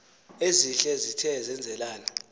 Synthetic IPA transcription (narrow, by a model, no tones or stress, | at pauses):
eziɬɛzitʰɛzɛnd͡zʱɛlaːna